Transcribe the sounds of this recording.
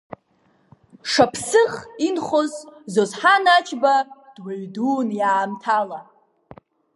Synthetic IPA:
ʂapʰsɨχinχozzozħanat͡ʃʰʼbad̥waɥduːnjaːmtʰala

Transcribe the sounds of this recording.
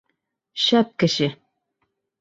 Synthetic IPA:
ɕæp̚kɘ̆ʃɘ

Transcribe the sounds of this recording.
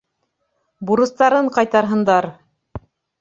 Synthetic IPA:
buɾɤ̆st̪ɑɾɤɴqɑjt̪ɑɾɦɤ̆nd̪ɑɾ

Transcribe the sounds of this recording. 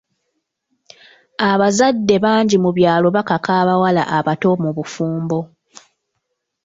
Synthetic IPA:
aβazadːe̞βaːɲɟimuβjaːlo̞βakakaːβawala̰ʔaβato̞muβufuːmbo̞

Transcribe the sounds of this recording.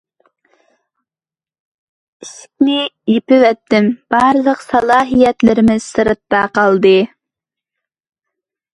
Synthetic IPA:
isk̚ʲnɪjepɪvɛt̪ːɪmb̥ɑɾɨlˠəqsɑlˠɑːɦijɛt̪lɪɾɪmɪsɨɾɨt̪̚ːɑqɑlˠd̪ɨ

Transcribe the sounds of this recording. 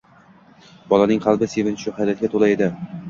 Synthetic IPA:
bɒlˠanɪŋqʰɑlˠbɪsevɪnt͡ʃʰʊhajlat̪̚ɡʲat̪ʰolaed̪ɪ

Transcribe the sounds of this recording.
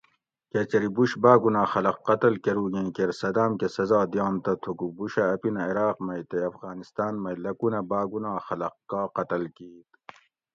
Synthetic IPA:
ket͡ɕɐɾibuɕbaːɡunaːxɐlɐqːɐt̪ɐlkɐɾuːɡẽːkeɾsɐd̪aːmkesɐzaːd̪ijɑːnt̪ɐt̪ʰukubuɕɐːpinɐiɾaːqmɐjt̪eɐfɣaːnist̪aːnmɐjlɐkunɐbaːɡunãːxɐlɐqkːaːqɐt̪ɐlkiːt̪

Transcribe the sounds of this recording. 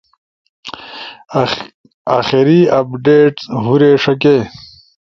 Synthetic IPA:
aːxiɾiɐpɖeːʈɦuɾeːʂɐkeː

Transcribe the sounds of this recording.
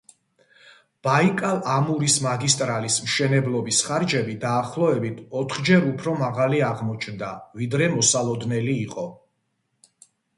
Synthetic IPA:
b̥aikʼalˠamuɾismaɡist̪ʼɾalismʃɛnɛblˠɔbisχaɾd͡ʒɛbid̪aːχlˠɔɛbit̪ʰɔt̪ʰχd͡ʒɛɾupʰɾɔmaʁaliaʁmɔt͡ʃʰnd̪avid̪ɾɛmɔsalˠɔd̪nɛliːqʼɔ

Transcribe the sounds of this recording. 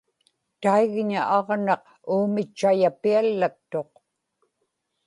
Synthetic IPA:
t̪aiɣɲaʔɑʁnɑq | uːmɪt͡ʃːajapialːakt̪ːo̞q

